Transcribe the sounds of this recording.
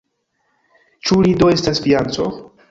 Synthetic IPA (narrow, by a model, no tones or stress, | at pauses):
t͡ʃuɾidoe̞stasfiant͡so